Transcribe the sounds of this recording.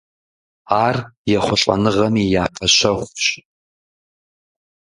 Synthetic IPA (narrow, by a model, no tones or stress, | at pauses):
aːrjaχʷʊɬʼɐ̰nɨʁɐmijaːpʰɐʃʷɐχʷɕʼ